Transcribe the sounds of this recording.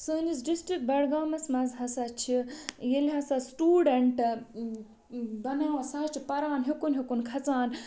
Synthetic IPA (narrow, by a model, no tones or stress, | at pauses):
sɨːnisɖisʈɾik̚bɐɽɡaːmɐsmɐzɦɐsat͡ʃʰijelʲɦɐsasʈuːɖeɳʈ | bɐnaːwɐsaːt͡ʃʰipɐɾaːnɦikunɦikunkʰɐt͡saːn